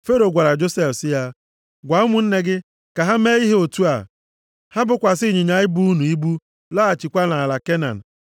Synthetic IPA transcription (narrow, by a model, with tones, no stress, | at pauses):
fe˦ɾo˨ɡʷa˨ɾa˨d͡ʒo˦se˦fsɪ˦ja˦ | ɡʷa˨ʊ˦mʊ˨n̩˦ne˦ɡɪ˦ | ka˨ɦa˦me˦i˦ɦe˦o˨tu˦a̰˨ | ha˦bʊ˨kʷa˨s̬ɪ˦ɲi˨ɲa˨˦ɪ˦bu˦u˦nu˨i˦bu˦ | la˦a˨t͡ʃi˨kʷa˦na˨la˨ke˦na̰˨n̩˨